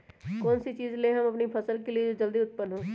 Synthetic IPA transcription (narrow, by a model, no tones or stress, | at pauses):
kɔːnsit͡ʃiːzleɦɐmɐpnipʰɐsəlkelied͡ʒod͡ʒɐld̪iʊt̪̚pənɦõː